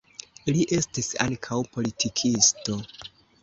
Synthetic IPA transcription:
liʔe̞stisa̰ŋkʰawpo̞litʰikʰisto̞

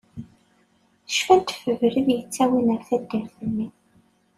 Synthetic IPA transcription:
θəʃfænt̪fəvɾəðjət͡sːæwinəɾθæd̪ːæɾθənːi

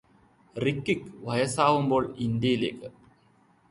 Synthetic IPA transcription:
rikːikʋɐjɐsaːʋumbo̞ːɭind̪jɐjileːkːɨ

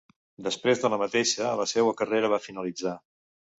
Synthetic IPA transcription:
d̪əspɾezðələmət̪eʃələsɛwəkəreɾəβafinəlid͡za

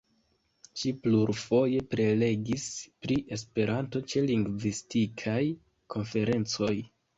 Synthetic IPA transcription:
t͡ʃipluɾfo̞je̞pɾe̞le̞ɡispɾiʔe̞spe̞ɾanto̞t͡ʃe̞liŋɡvistikʰaj | kʰo̞nfe̞ɾe̞nt͡so̞j

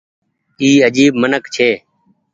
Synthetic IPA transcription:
iːəd͡ʒiːbmənəkt͡ʃʰeː

